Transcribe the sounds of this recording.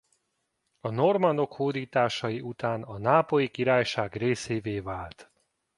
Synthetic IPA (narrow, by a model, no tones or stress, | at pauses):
ɒno̞rmɒnd̪o̞khoːd̪iːt̪aːʃɒjiʔut̪aːnɒnaːpo̞jikiɾaːjʃaːɡreːseːveːvaːlt̪